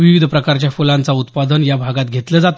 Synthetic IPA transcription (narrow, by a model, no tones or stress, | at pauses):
ʋiʋid̪ʱəpɾəkaɾt͡ɕjafulãnt͡saut̪pad̪ənjabʱaɡat̪ɡʱet̪ləd͡zat̪